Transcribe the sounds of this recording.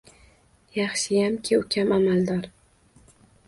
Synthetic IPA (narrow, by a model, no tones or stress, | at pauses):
jɑχʃɪjamkʲʰɪʊkʲʰamamald̪ɒɾ